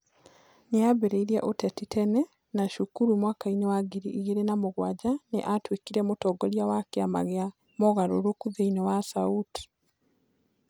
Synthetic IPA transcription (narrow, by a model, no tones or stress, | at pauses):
neaβeɾeiɾjeʔotɛtitʰɛnɛ | naʃukuɾumwakainewaɡiɾiʔiɣeɾenamoɣwad͡ʒanḛʔatwikiɾɛmotɔːɡɔljawakjama̰ɣea | moɣaɾoɾokuðeinewasauti̥